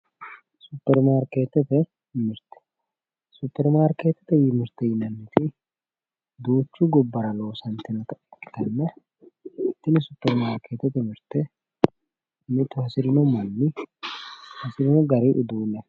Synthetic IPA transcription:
sʊpːɛɾmaːɾkeːt̪ːɛt̪ɛ | mɪɾt̪ɛ̥ | supːɛɾmaːɾkeːt̪ːɛ̥t̪ɛjɪmɪɾt̪ːɛjɪnɐnːɪt̪ɪ | d̪uːt͡ʃːuɡɔbːɐɾɐloːsɐnt̪ɪnɐt̪ɐt̪ːɐnːɐ | t̪ːɪnɪsʊpːɛɾmaːɾkeːt̪ɛt̪ɛmɪɾt̪ɛ | mɪt̪ʊhɐsɪɾɪnɔmɐnːɪ | hɐsɪɾɪnɔɡɐɾiʔʊd̪uːnɛ

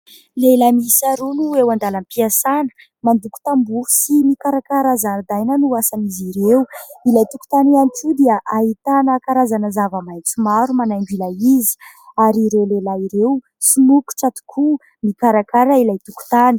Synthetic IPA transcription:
lelamiisaɾunuewand̪alampiasanə̥ | mand̪uku̥t̪ambusimikaɾakaɾazand̪ajnənuasaniziɾewilajt̪uku̥t̪anianiʈ͡ʂud̪eaʔaɦit̪anəkaɾazanəzavəmajnt͡sumaɾumanajŋɡilaizi̥ | aɾiɾewlelaiɾew | sumuku̥ʈ͡ʂat̪u̥kʰu | mikaɾakaɾailajt̪uku̥t̪ani̥

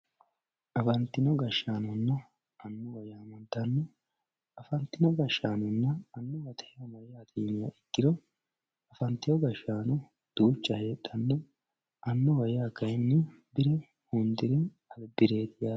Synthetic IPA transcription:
ʔɐfɐnt̪ɪnɔɡɐʃːaːnɔnːɐ | ɐnːɔwɐjaːmɐnt̪ɐnːɔ | ɐfɐnt̪ɪnɔɡɐʃːaːnɔnːɐːnːɔwɐt̪ʰɛ̥ɐmɐjaːd̪iːmɪjɐ̰ʔɪɡːɪɾɔ | ɐfɐnt̪ːɪjɔɡɐʃːaːnɔ | d̪̥uːt͡ʃːɐhe̞ːt̪ʼːɐnːɔ | ʔɐnːɔwɐjaːkːɐjɪnːɪ | bɪɾɛ | hʊnd̪ɪɾɛ | ɐlbɪɾe̞ːt̪ɪjaː

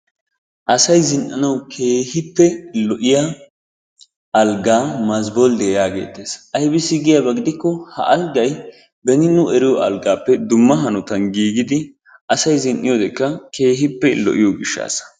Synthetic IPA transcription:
ʔɐsɐjzɪnʔɐnɐwkʰeːhɪpːɛlɔʔɪja | ɐlɡaːmɐzbɔld̪ejaːɡe̞̰ːt̪ːeːsɐjbɪsːɪɡɪjabɐɡɪd̪ɪkːɔhɐ̰ʔɐlɡɐj | bɛnɪnːʊʔɛɾɪjɔʔɐlɡaːpːɛd̪ʊmːɐɦɐnɔt̪ɐnɡiːɡɪd̪ɪ | ʔɐsɐjzɪnʔɪjɔːd̪ɛkːɐke̞ːɦɪpːɛlɔ̰ʔɪjɔɡɪʃːa̰ːsɐ̥

